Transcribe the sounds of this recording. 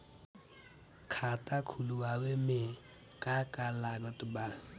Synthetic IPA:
kʰat̪akʰuluaweme | kakalaɡʌt̪ba

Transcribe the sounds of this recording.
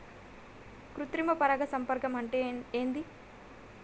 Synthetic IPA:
kɾut̪ɾimɐpɐɾɐɡɐsɐmpɐɾkɐmɐɳʈeeːnd̪i

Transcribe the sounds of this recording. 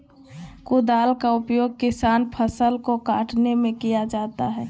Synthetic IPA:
kʊd̪aːlkaʊpjoːɡ̚kɪsaːnpʰəsəlkokaːʈʰnemẽkijad͡ʒaːt̪aɦɛː

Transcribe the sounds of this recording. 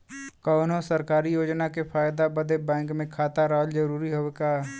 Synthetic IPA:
kɔːnõsəɾkaːɾijoːd͡ʒnakepʰaːjd̪abəd̪ebɛ̃ːŋkmẽkʰaːt̪aɾaɦəld͡ʒɐɾuːɾiɦoekaː

